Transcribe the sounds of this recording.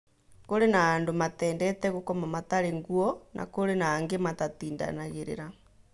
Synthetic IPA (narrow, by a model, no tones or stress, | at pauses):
koɾenaːndomatɛːndɛtɛɣokɔmamataɾeŋɡuɔnʔa̰koɾenaːŋɡematatiːnda̰naɣeɾḛɾa